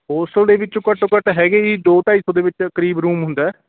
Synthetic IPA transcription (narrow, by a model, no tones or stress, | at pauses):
oːsəld̪eːʋɪt͡ʃõːkəʈokəʈɦɛːɡeːiːd̪oːʈaːiːsõːd̪eːʋɪt͡ʃkəɾiːbɾuːmɦʊnd̪aːɛː